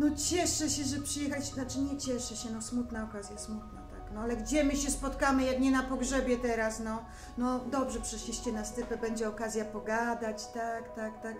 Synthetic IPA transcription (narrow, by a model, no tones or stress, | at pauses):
nɔt͡ɕɛʂɛɕɛʐɛpʂɨjɛxalʲiɕt͡ɕɛnat͡ʂɘɲɛt͡ɕɛʂɛɕɛnɔsmut̪naɔkazʲjasmut̪nat̪aknɔalɛɡd͡ʑɛmɘɕɛspɔt̪kamɘjakɲɛnapɔɡʐɛbʲjɛt̪ɛɾasnɔ | nɔd̪ɔbʐɛpʂɛɕlʲiɕt͡ɕɛnast̪ɘpɛbɛɲd͡ʑɛɔkazʲjapɔɡad̪at͡ɕt̪akt̪akt̪ak